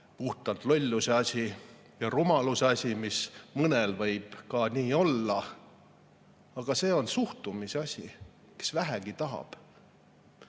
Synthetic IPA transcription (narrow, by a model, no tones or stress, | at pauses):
puht̪ɑlt̪lo̞lʲːuseɑsʲi | jɑrumɑluseɑsʲimismɤnelvɤjb̥kɑniːo̞lːɑ | ɑɡ̥ɑse̞ːo̞nsuht̪umiseɑsʲḭ | ke̥svæɦæɡ̥it̪ɑɦɑ̰b̥